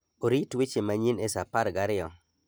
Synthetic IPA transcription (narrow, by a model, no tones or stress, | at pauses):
oɾitwit͡ʃemaɲinesapaɾɡaɾɪɔ